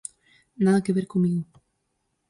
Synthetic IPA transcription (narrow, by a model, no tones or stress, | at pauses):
naðakeβeɾkomiɣo